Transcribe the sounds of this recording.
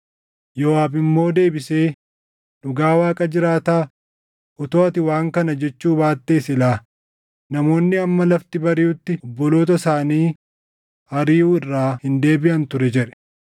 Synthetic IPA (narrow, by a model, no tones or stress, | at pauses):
jɔːaːbɪmːo̞ːd̪e̞ːbɪse̞ː | ᶑʊɡaːwaːkʼɐd͡ʒɪɾaːt̪aː | ʔɔt̪oːɐt̪ɪwaːŋkɐnɐd͡ʒɛt͡ʃːuːbaːt̪ːeːsɪlaː | nɐmo̞ːnːɪɐmːɐlɐft̪ɪbɐɾɪʊt̪ːɪɔbːɔlo̞ːt̪ɐsaːniː | hɐɾiːuːɪrːaːhɪnd̪e̞ːbɪʔɐnt̪ʊɾɛd͡ʒɛᶑɛ̥